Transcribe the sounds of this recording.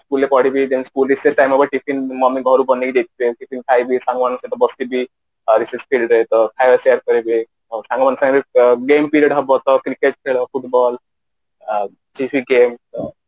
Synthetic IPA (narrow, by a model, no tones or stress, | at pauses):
skuːlːepɔɽ̤ibʱid̪ɛnskuːlɾiseʈajmabəʈifinmɔmiɡʱɔɾubɔnːekid̪et̪̚teʈifinkʰajbʱisãŋɡmañəsẽt̪ɔbəst̪ibʱi | ɾisespʰilʈɾəet̪əkʰajʋəseəɾkəɾebi | osãŋɡmansãŋɡɾeɡempiɾeɖɦəbɔt̪ɔkɾikeʈ̚kʰeɭəfuʈbɔl | ʈifiɡem